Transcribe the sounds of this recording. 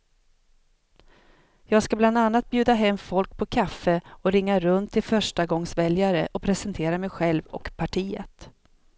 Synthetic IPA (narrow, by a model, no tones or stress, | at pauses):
jɑːɡskabland̪anːat̪̚bjʉ̟ːd̪aɦɛmːfɔlk̚pʰɔkʰafːəɔɾɪŋːaɾɵnt̪ʰːɪlfœʂʈaɡɔŋsvɛljaɾəʔɔpʰɾɛsɛnt̪ʰeːɾamɛjɧɛlvɔ̰kpʰaʈʰiːə̰t̪